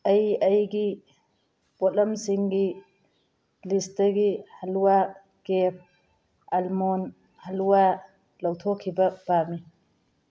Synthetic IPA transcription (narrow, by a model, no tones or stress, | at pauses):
ɐjɐjɡi | pot̚lɐmsiŋɡi | listɐɡihaluwa | kep̚ʰ | almon | hɐluwa | lɐwtʰokʰːibɐbami